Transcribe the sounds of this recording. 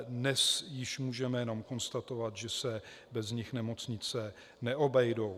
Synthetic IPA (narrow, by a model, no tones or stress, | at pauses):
dnɛsjɪʃmuːʒɛmɛjɛno̞mko̞nst̪at̪o̞vat̪ʒɛsɛ | bɛzɲɪxnɛmo̞t͡sɲɪt͡sɛ | nɛʔo̞bɛjdow